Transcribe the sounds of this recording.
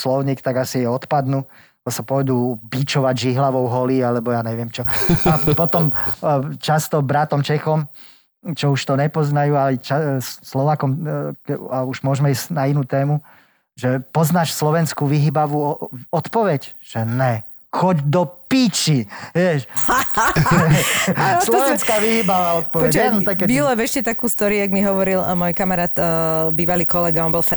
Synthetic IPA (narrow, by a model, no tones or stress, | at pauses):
slɔʊɲiːkt̪aɡasijɛɔt̪pad̪nu | ɔsapɔjd̪uːbit͡ʃɔʋaɟʒiɦlaʋɔʊɦɔliːalɛbɔjaːɲɛʋɪɛmt͡ʃɔapɔt̪ɔm | t͡ʃast̪ɔbɾat̪ɔmt͡ʃɛxɔm | t͡ʃɔuʃt̪ɔɲɛpɔznajuːalɛt͡ʃasslɔʋaːkɔmɛauʒmʊɔʒmɛisnainuːt̪ɛːmu | ʒɛpɔznaʃslɔʋɛnskuːʋiɦibaʋuɔɔt̪pɔʋɛc | ʒ̥ɛnɛ | xɔɟd̪ɔpit͡ʃiʋɪɛʃ | slɔʋɛskaʋiɦibaʋaːɔt̪pɔʋɔɛt͡ʃnɔt̪akkːɛbilɔvɛʃcɛt̪akuːst̪ɔɾiuaɡmiɦɔʋɔɾilmɔjkamaɾaːt̪ːbiːʋaliːkɔlɛɡaɔnbɔlf